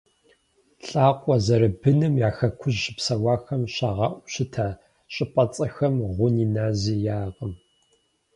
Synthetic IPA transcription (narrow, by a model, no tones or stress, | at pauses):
ɬʼaːqʷʼɔzɐɾɨbɨnɨmjaːxɐkʷʰʊʑːɪpsɐwɑːxɐmɕaːʁɐʔʷʊɕɪtʰaː | ɕʼɪpʼɐt͡sʼɐxɐmʁʷʊniːnaːziːjaːqəm